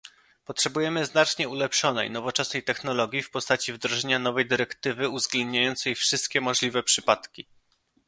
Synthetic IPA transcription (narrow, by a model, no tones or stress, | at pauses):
pɔtʂɛbujɛmɘznat͡ʂɲɛulɛpʂɔnɛ̰jnɔvɔt͡ʂɛsnɛjt̪ɛxnɔlɔɡʲjifpɔst̪at͡ɕivd̪ɾɔʐɛɲanɔvɛjd̪ɘɾɛkt̪ɘvɘuvzɡlɛnd̪ɲajɔnt̪sɛjfʂɘst̪̚kʲɛmɔʐlʲivɛpʂɘpat̪kʲi